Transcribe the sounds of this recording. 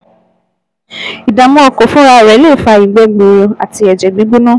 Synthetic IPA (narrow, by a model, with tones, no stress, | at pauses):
i˨da˨mɔ̃˦ɔ˧˨ko˨fũ˦ɾa˧˦˨ɾɛ˨˦le˦˨fa˧i˨ɡ͡bɛ˧˦ɡ͡be˨˧a˨ti˧ɛ˨d͡ʒɛ˨ɡ͡bi˨˦ɡ͡bo˦nã˦˨